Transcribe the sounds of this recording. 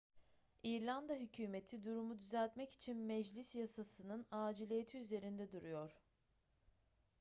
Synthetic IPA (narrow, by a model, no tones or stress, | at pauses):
iɾlʲand̪aɦycʰyːme̞t̪ʰid̪uɾumud̪yzælʲt̪mɛci̥t͡ʃʰinmɛd͡ʒlʲisjasasɯnɯnaːd͡ʒilʲije̞t̪ʰiyze̞ɾind̪ɛd̪uɾujo̞ɾ̥